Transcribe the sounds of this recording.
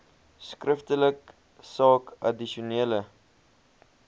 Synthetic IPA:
skrəftələk | sɑːkɐ̰diʃuniələ

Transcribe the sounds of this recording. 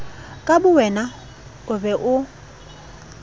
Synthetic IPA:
kʼabʊwɛna | ʊbɛʔʊ

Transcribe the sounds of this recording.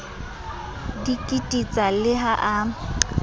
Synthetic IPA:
dikʼitʼit͡sʼalɪɦaʔa

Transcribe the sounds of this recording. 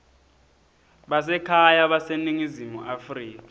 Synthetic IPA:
ɓasɛkʰajaɓaseniŋizimuʔafriːkḁ

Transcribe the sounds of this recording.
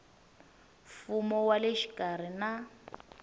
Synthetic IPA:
fumɔwaleʃi̥kʼar̤ina

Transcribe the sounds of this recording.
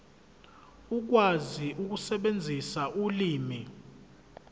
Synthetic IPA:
uk̬waziʔuk̬usɛɓend͡zʱisaʔuliːmi

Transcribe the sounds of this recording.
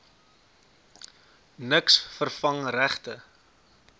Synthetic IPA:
nəksfərfɐŋræχtə

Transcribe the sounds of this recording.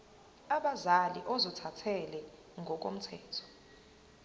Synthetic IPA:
aɓazaliʔɔzɔtʰatʰɛlɛ | ŋɡʱɔk̬o̰m̩tʰɛːtʰɔ̥

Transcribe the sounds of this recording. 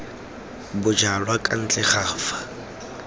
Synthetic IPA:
bʊd͡ʒalwakʼan̩t͡ɬʼɛχaːfḁ

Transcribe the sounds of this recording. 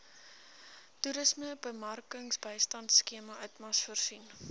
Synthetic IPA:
tuɾəsməbəmɐrkəŋsbəjstɐntskiəmɐœɥtmɐsfərsin

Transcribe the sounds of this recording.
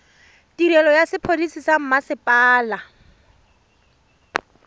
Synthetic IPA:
tiɾɛlɔjasɪpʰodisisam̩masɪpʼaːla

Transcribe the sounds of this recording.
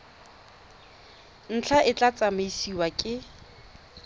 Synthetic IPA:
n̩t͡ɬʰaʔɪt͡ɬʼat͡sʼameisiwakʼɪ

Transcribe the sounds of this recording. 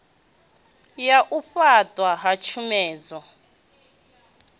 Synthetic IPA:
jaʔuɸatʼwaɦat͡ʃʰumɛːd͡zɔ

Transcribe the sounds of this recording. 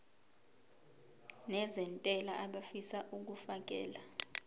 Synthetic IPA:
nɛzɛntʼɛlaʔaɓafisaʔuk̬ufak̬ʼɛ̰ːla

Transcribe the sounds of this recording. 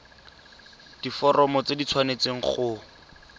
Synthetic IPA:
d̥ifɔrɔmɔt͡sedit͡sʰwanet͡seŋ̩χʊ

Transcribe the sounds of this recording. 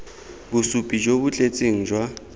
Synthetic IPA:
bʊsupʼid͡ʒobʊt͡ɬʼet͡sʼiŋ̩d͡ʒwa

